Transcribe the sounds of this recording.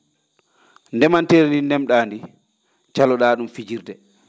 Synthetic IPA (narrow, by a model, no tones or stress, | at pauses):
ndɛmanteɾnindɛmɗaːndi | t͡ʃalɔɗaːɗumfid͡ʒiɾdɛ